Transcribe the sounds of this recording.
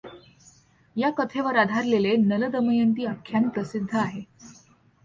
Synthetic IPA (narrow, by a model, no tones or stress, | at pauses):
jakət̪ʰeʋəɾad̪ʱaɾlelenələd̪əməjənt̪̬iːakʰːjanpɾəsid̪ʱːəaɦe